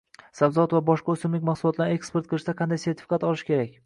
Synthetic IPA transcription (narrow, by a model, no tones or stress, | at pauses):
sabzat̪vabɒʃqɑʊsɪmlɪkʲmaχsʊlˠɒt̪laɾe̞kspeɾt̪̚qʰɨlˠɪʃd̪aqʰɑnd̪ajse̞ɾt̪ʰɪ̥fɪkat̪ɒlˠɪʃkʲʰe̞ɾak̚ʲ